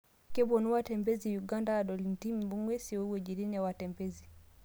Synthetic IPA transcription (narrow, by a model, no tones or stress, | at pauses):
kɛbɔnuwatɛmbɛzijuɡandadɔlintimbuŋɡwɛsiɔwɛd͡ʒiɾinɛwatɛmbɛzi